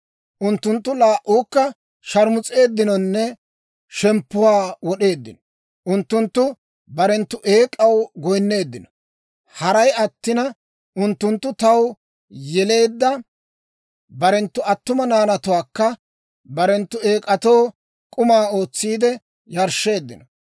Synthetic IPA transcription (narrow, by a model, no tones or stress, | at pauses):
ʔʊnt̪ːʊnt̪ːʊlaːʔːʊːkːɐ | ʃɐɾmʊt͡sʼe̞ːd̪ːɪnɔnːɛ | ʃɛmpːʊwaːwɔɗe̞ːd̪ːɪnɔ | ʔʊnt̪ːʊnt̪ːʊ | bɐɾɛnt̪ːʊʔe̞ːkʼːɐwɡɔjnːe̞ːd̪ːɪnɔ̥ | hɐɾɐjɐt̪ːɪnɐ | ʔʊnt̪ːʊnt̪ːʊt̪ɐw | jɛle̞ːd̪ːɐ | bɐɾɛnt̪ːʊɐt̪ːʊmɐnaːnɐt̪ʊwaːkːɐ | bɐɾɛnt̪ːʊe̞ːkʼɐt̪ow | kʼʊmaːo̞ːt͡sːiːd̪ɛ | jɐɾʃe̞ːd̪ːɪnɔ